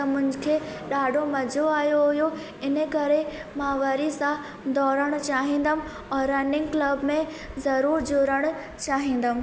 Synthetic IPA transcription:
t̪ɐmʊ̃ɦɪ̃d͡ʑkʰeːɗaːɖʱomɐd͡ʑʱoaːjoɦʊjo | ɪnəkɐɾemãːʋɐɾisã | d̪ɔːɾəɽ̃ʊt͡ɕaːɦĩːn̆d̪əm̆ | ɛ̃ːɾɐnɪ̃ŋɡklɐbmẽ | zɐɾuːɾd͡ʑʊɾəɽ̃ʊ | t͡ɕaːɦĩːn̆d̪əm̆

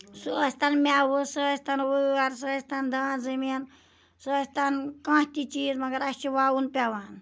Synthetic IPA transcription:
susʲt̪anmʲaʋɨsɨsʲt̪anʋɨɐɾs̬ɨst̪and̪aːnzɐmin | sɨsʲt̪ankãːht̪it͡ʃiːzmɐɡɐɾɐst͡ʃiʋaunpʲaʋan

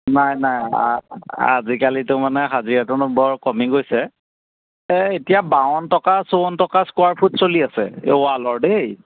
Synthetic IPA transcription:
najnaj | a̰zikalitʊmanɛɦaziɹɛtʊnʊbɔɹkɔmiɡojsɛ | ɛetijabawɔntɔkasoɔntɔkaskoaɹpʰutsoliasɛ̰ʊalɔɹdej

